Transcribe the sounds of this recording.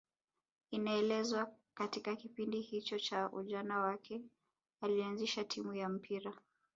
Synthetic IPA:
inaɛlɛzwa | katikakipindihit͡ʃɔt͡ʃaʔṵʄanawakʰɛ | alianziʃatʰimujam̩pʰiɾa

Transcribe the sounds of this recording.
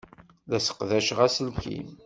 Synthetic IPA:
ðæsə̥qðæʃʁæsəlkḭm

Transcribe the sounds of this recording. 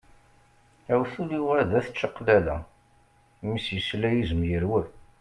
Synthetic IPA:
æwθuliwæðæθə̥t͡ʃːəqːlælæ | misjəslæjizəmjəɾwə

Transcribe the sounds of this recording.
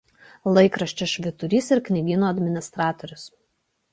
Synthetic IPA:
lˠɐɪkɾɐʃʲt͡ʃʲɛʃʲʋʲɪt̪ʊɾʲiːsɪɾknʲɪɡʲiːnoːɐd̪ʲmʲɪnʲɪst̪ɾɑːt̪ɔɾʲʊs

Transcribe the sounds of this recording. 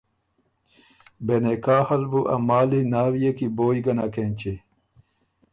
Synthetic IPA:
benekaːhɐlbuʔɐ̰maːlinaːwijekiboːjiɡɐnakent͡ɕe

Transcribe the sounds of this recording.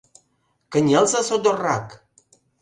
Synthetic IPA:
kəɲʲɛlˠzasod̪orak

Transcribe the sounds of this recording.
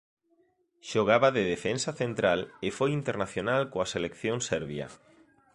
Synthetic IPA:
ʃoɣ̞aβaðeðefensaθent̪ɾalefojint̪eɾnaθjonalkoaselekθjoŋsɛɾβjɐ̰

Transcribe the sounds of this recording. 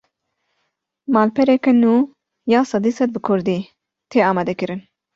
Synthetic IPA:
maːlpʰɛɾɛkɛnuː | jaːsɑd̪iːsɛd̪̚bɨkʰʊɾd̪iː | t̪ʰeːɑːmɑːd̪ɛkɨɾɨn

